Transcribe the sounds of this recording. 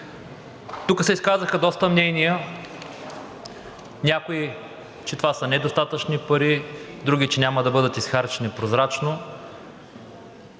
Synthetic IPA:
t̪ukəsɛiskazəxəd̪ɔst̪əmnɛnijə | nʲjakoi | t͡ʃɛt̪ovasənɛd̪ost̪at̪ət͡ʃnipɐɾid̪ɾuɡ̟it͡ʃɛnʲaməd̪ɐbɤd̪ət̪isxaɾt͡ʃɛnipɾozɾat͡ʃno

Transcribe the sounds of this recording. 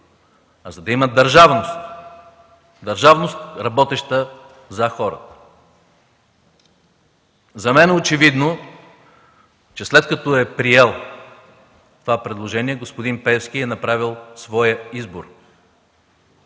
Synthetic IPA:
ɐzɐd̪ɐiməd̪ɐɾʒavnost̪ | d̪ɐɾʒavnost̪ɾɐbɔt̪ɛʃt̪ə | zɐxɔɾə̰t̪ə̥ | zɐmɛnɛot͡ʃɛvid̪no | t͡ʃɛslɛt̪kɐt̪ɔɛpɾiɛlˠ | t̪ovapɾɛd̪lˠoʒɛniɛɡospod̪inpɛfskʲiɛnɐpɾavilˠsvɔjəizboɾ

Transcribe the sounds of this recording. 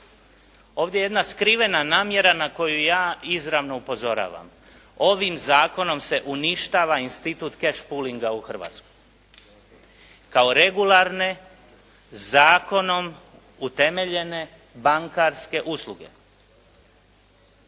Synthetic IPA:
o̞ːʋd̪ʲjeje̞d̪naskɾiʋe̞nanaːmje̞ɾanako̞jujaːizɾaʋno̞upo̞zo̞ɾa̰ːʋa̰m | o̞ʋimzaːko̞no̞mse̞ʔuniʃt̪aʋainst̪it̪uːt̪keʃpuliŋɡauxr̩ʋa̰ːt̪skoj | kao̞ɾe̞ɡulaɾne̞ | zaːko̞no̞m | ut̪e̞me̞ʎe̞ne̞ | baŋkaɾske̞ʔuslˠuɡe̞̰

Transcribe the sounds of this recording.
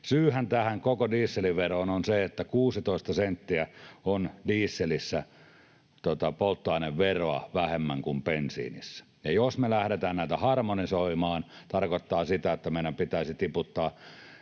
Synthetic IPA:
syːhænt̪æhæŋkokodiːsːeliʋeroːnonseet̪ːækuːsit̪oˑest̪ɑsent̪ːiæondiːsːelisːæ | t̪ot̪ɑpolt̪ːoɑˑineʋʋeroɑ̰ʋæhemːæŋkumpensḭːnḭsːæ̥ | jɑjosmelæhɾet̪æːnnæˑit̪æhɑrmonisoimɑːnt̪ɑrkot̪ːɑːsit̪æet̪ːæmeˑiɾæmpit̪æˑisit̪iput̪ːɑː

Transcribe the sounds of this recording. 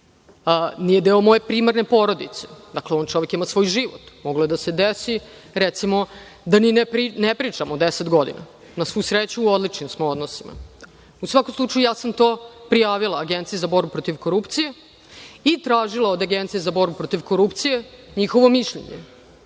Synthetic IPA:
nije̞d̪eomo̞jepɾiːmaɾne̞po̞ɾo̞d̪it̪se̥d̪akleo̞ːnt͡ʃo̞ʋekimasʋo̞jʒiʋo̰t̪moɡloed̪ase̞d̪esi | ɾɛt̪simo | d̪aninepɾinepɾit͡ʂamod̪eset̪ɡo̞d̪ḭna̰ | nasʋujsɾet͡ɕuːod̪lit͡ʂnimsmoo̞d̪nosima̰ | usʋakomslˠut͡ʂɐjujaːsamt̪oːpɾijaːʋilˠaːɡent̪sijezabo̞ɾbupɾot̪iʋko̞ɾupt̪sije̞ | it̪ɾaːʒilˠaod̪aɡent̪sijezabo̞ɾbupɾot̪iʋko̞ɾupt̪sijeɲixo̞ʋo̞miʃʎḛɲḛ

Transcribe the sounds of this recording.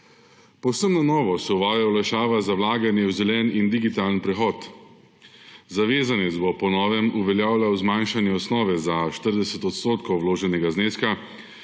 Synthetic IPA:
pɔwsəmnanɔːʋɔsɛuʋaːjawlajʃaːʋazawlaːɡanjɛwzɛlɛːnind̪iɡit̪aːlənpɾɛxɔːt̪ | zaʋeːzanet̪zbɔpɔnɔːʋɛmuʋɛljaːwlʲawzmajnʃanjɛɔsnɔːʋɛzaʃt̪əɾd̪ɛsɛt̪ɔt̪st̪oːt̪kɔwwloːʒɛnɛɡazneːska

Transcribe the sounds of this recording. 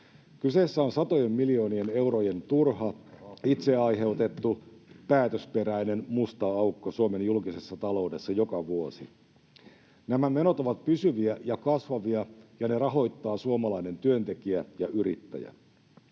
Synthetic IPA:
kyse̞ːsːæo̞nsɑt̪o̞jemmilio̞ːniene̞wroje̞nt̪urɦɑit̪se̞ɑjɦe̞wt̪e̞t̪ːupæːt̪øspe̞ɾæine̞nmust̪ɑɑukːosuome̞njulkise̞sːɑt̪ɑlo̞wde̞sːɑjo̞kɑʋuosi | næmæme̞no̞t̪oʋɑt̪pysyʋiæjɑkɑsʋɑʋiɑjɑne̞rɑɦo̞jt̪ːɑːsuomɑlɑine̞nt̪yø̞nt̪e̞kiæjɑʔyɾit̪ːæ̰jæ̰

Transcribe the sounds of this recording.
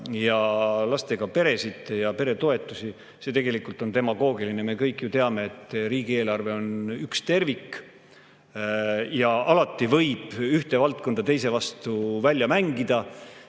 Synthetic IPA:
jɑlɑst̪e̞ɡ̥ɑpe̞ɾe̞sit̪jɑpe̞ɾe̞t̪o̞e̞t̪ːˑusi | se̞t̪e̞ɡ̥e̞likːˑult̪o̞nt̪e̞mɑɡ̥o̞ːɡilineme̞kɤjkːˑjut̪e̞ɑme̞et̪ːˑriːɡ̥ie̞ːlɑrve̞o̞nykst̪e̞rvikː | jɑʔɑlɑt̪ːˑivɤ̞jb̥yht̪e̞vɑlt̪̚ko̞nd̪̥ɑt̪ejs̬e̞vɑst̪uvælʲːjɑmæŋɡid̪̥ɑ

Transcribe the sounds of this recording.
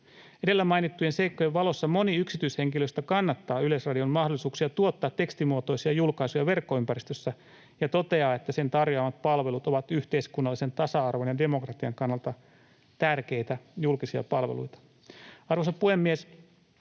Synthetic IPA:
ede̞lːæmɑjnit̪ːujense̞jkːo̞jeʋʋɑlo̞sːɑmo̞niyksit̪yishe̞ŋkiløst̪ækɑnːɑt̪ːɑːylesrɑdio̞mmɑhdolːˑisuːksiɑt̪uot̪ːɑːt̪ːe̞kst̪imuot̪o̞jsiɑjulkɑisujɑʋe̞rkːo̞ympæɾist̪øsːæ | jɑt̪o̞t̪e̞ɑːet̪ːæse̞nt̪ɑrjoɑmɑt̪̚pɑlʋe̞lut̪o̞ʋɑt̪yht̪e̞iskunːɑlːise̞nt̪ɑsɑɑrʋonjɑde̞mo̞krɑt̪iɑŋkɑnːɑlt̪ɑ | t̪ærke̞jt̪æjulkisiɑ̰pɑlʋḛlṵjt̪ɑ̥ | ɑrʋosɑpuhe̞mːies

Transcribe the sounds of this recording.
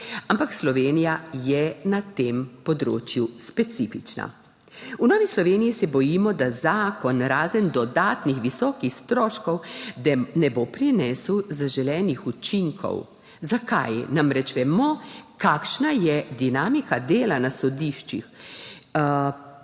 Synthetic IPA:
ampakslɔʋeːnijajɛnat̪eːmpɔd̪ɾo̰ːt͡ʃjuspɛt̪sifit͡ʃna̰ | unɔːʋislɔʋeːnijisɛbɔjimɔd̪azaːkɔnɾaːzənd̪ɔd̪aːt̪nixʋisɔːkixst̪ɾɔːʃkɔw | nɛbopɾinɛswzaʒɛlɛːnixut͡ʃiŋkʰɔ̰w | zakajnamɾɛt͡ʃʋɛmɔkakʃnajɛd̪inaːmikad̪eːlanasɔd̪iʃt͡ʃḭx

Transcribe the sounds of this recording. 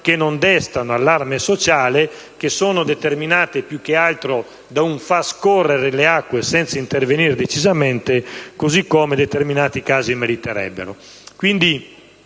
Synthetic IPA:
kenːond̪ɛst̪anoalːarmesot͡ʃaːle | k̟esoːnod̪et̪erminaːt̪epjukːealt̪ɾo | d̪auɱfaskɔrːeɾeleakːwesɛnt̪saint̪erveniɾd̪et͡ʃizamɛnt̪ekozikːɔːmed̪et̪erminaːt̪ikaːzimeɾit̪ɛɾɛ̰bːḛɾo̰ | kwind̪i

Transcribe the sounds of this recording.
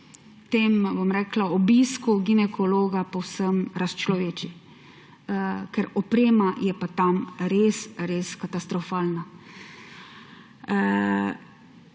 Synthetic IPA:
t̪eːmbomɾɛːklaɔbiːskuɡinɛkʰɔloːɡapowsəmɾast͡ʃlɔʋeːt͡ʃi | kɛɾɔpɾeːmajɛpat̪amɾeːsɾeːskat̪ast̪ɾɔfaːlna

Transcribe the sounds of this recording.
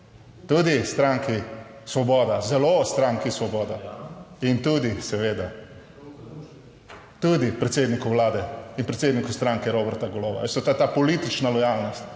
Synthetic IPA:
t̪ud̪ist̪ɾaŋki | sʋɔbɔːd̪azɛlost̪ɾaŋkisʋɔbɔːd̪aint̪ud̪isɛʋeːd̪a | t̪ud̪ipɾɛt̪sed̪nikuwlaːd̪ɛinpɾɛt̪seːd̪nikust̪ɾãŋkɛɾobɛɾt̪aɡɔloːʋa̰est̪ɔt̪at̪aːpɔlit̪it͡ʃnalɔjalnɔst̪

